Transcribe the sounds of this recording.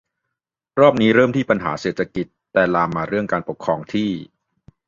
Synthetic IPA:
ɾɔː˥˩p̚niː˦˥ɾɤː˥˩mt̪ʰiː˥˩pa˧nɦa̰ː˩˦seː˨˩t̪ʰːa˧ki˨˩t̪ːɛː˨˩laː˧mːaː˧ɾɯ˥˩əŋkaː˧npo˨˩kʰːɾɔː˧ŋt̪ʰiː˥˩

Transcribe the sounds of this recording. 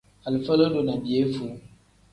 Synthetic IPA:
a˨lfə˦lo˦do˨na˨bi˨e˦fu˨

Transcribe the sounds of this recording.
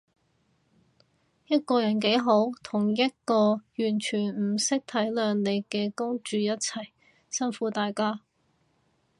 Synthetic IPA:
jɐ˥t̚kɔː˧jɐ˨˩nk̬e˨˥jɦo˨˥wt̪ʰʊ˨˩ŋjɐ˥t̚kɔː˧jyː˨˩nt͡ʃʰyː˨˩n̩˨˩sɪ˥k̚t̪ʰɐ˨˥jlœː˨˧ŋle˨˧jkɛː˧kʊ˥ŋt͡ʃyː˨jɐ˥t̚t͡sʰɐ˨˩j | sɐ˥nfuː˨˥t̪aː˨jkaː˥

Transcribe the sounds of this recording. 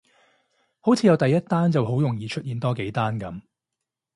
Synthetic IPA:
ho˨˥wt͡sʰiː˨˧jɐ˨˧wt̪ɐ˨jɐ˥t̚t̪aː˥nt͡sɐ˨who˨˥wjʊ˨˩ŋjiː˨t͡ʃʰɵ˥t̚jiː˨˧nt̪ɔː˥ke˨˥jt̪aː˥nkɐ˨˥m

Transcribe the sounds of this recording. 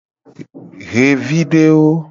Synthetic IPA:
ɣe˨vi˦ɖe˦wo˦

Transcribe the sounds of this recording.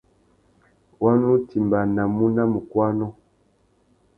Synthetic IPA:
wa˦nu˦ti˨mba˨na˨mu˦na˦mu˨kwa˦nɔ˦

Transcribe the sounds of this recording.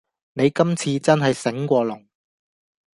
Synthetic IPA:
ne˨˧jkɐ˥mt͡sʰiː˧t͡sɐ˥nɦɐ˨jsɪ˨˥ŋkʷɔː˧lʊ˨˩ŋ

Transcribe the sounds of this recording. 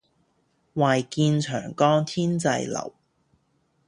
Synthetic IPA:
waː˨jkiː˧nt͡ʃʰœ̰ː˨˩ŋkɔː˥ŋt̪ʰiː˥nt͡sɐ̰˧jlɐ̰˨˩w

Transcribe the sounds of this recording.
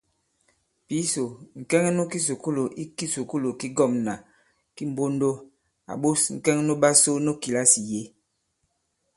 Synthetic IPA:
pi˨˦so˨ŋ̩˨kɛ˦ŋɛ˦no˦ki˦s̬u˨ku˦lo˨ʔi˦ki˦su˨ku˦lo˨ki˦ɡɔ˦˨mna˨ | ki˦m̩˨bo˦ndo˦ | a̰˨ɓo˦sŋ̩˨kɛ˦ŋ˦no˦ɓa˦so˦no˦ki˨la˦si˨je˨˦

